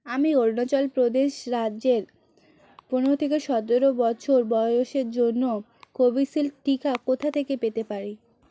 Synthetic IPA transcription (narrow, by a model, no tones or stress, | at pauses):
amioɾnot͡ɕɔlpɾod̪eʃɾadːd͡ʑeɾ | puɾnot̪ʰekeʃɔd̪oɾobɔt͡ɕʰoɾbɔoʃeɾd͡ʑonːo | kobisilʈikakot̪ʰat̪ʰekepet̪epaɾi